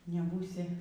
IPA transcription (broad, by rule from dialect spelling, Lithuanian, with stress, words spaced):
nʲɛˈbuːsʲɪ